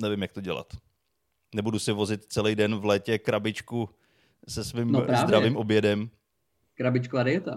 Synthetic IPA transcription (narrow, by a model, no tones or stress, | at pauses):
nɛvɪmjakt̪oɟɛla̰t̪ | nɛbudusɪvo̞zɪt̪t͡sɛlijdɛnvlɛːcɛkɾabɪt͡ʃku | sɛsviːmnoɾaːvd̪ɾaɛviːmʔo̞bjɛdɛm | kɾabɪt͡ʃkoaɾɪjɛt̪a